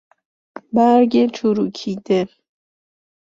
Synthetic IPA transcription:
baɾɡet͡ʃʰuɾukʰid̪e

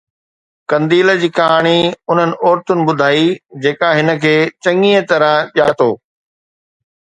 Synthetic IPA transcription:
kɐ̃nd̪iːləd͡ʑiːkɐɦaːɽ̃iʊn̤ənɪ̆ɔːɾt̪ʊnɪ̆ɓʊd̪ʱaːid͡ʑeːkaɦɪnə̆kʰeːt͡ɕɐ̃ŋiːət̪ɐɾə̃ɓjaːt̪oː

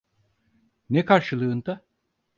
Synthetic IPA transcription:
nɛkʰaɾʃɯlˠɯːnd̪a

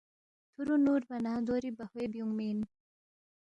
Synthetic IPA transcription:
t̪ʰuɾunuːɾbɐnaːd̪oɾibɐhwebjuŋmin

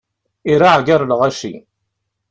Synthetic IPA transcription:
iɾaʕɡaɾˤlʁæʃḭ

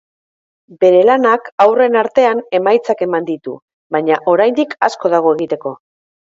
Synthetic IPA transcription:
be̞ɾe̞lanakawre̞naɾt̪e̞ane̞majt͡sake̞mand̪it̪ṵ | βaɲaʔo̞ɾajnd̪ikasko̞ðaɣ̞o̞eɣit̪e̞ko̞

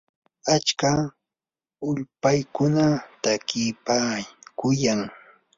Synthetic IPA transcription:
at͡ʃka | ʊʎpajkʊnat̪akɪpakʊjaŋ

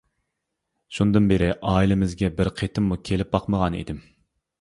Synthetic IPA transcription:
ʃund̪ɨnbeɾɪʔɑːilɪmɪzɡʲɛbɪɾqʰet̪ʰɪmːukʲʰelɪp̚bɑqməʁɑnḭd̪ɪm

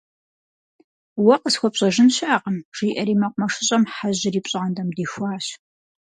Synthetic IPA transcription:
wɐqəsxʷɔpɕʼɐʒɪnɕaːqəmʐ̥iːʔɐɾiːmɐqʷmɐʂɪɕʼɐmħaʑɪriːpɕʼɪʁɐndɐmdiːxʷɑːɕ

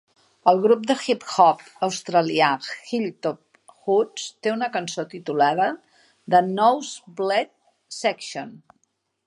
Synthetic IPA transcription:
əlˠɣɾup̚d̪əxipxɔp | əwst̪ɾəliaxilt̪op̚ | xust̪eunəkənsot̪it̪ulaðə | ðənɔwzblɛt̪̚ | sɛkʃon

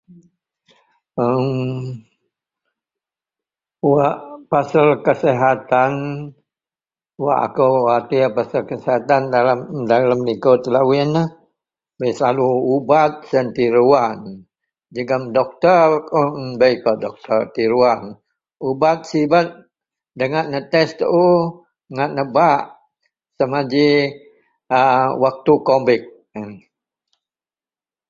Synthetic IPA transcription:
əm | waʔpasəlkəsɛɦat̪an | wa̰ʔa̰kowat̪ipasəlkəsɛɦat̪andalamdalamnikot̪əlawɪnə | bəjsəlaluubat̪̚sənt̪iɾuan | d͡ʒəɡamdɔk̚t̪ərunbəjkadɔk̚t̪ərt̪iɾuan | ubat̪̚sibat̪̚ | dəŋaʔ̪̚nət̪ɛst̪əʔu | ŋaʔ̪̚nəbaʔ | səmad͡ʒi | əwak̚t̪ukombɪk̚ | ə

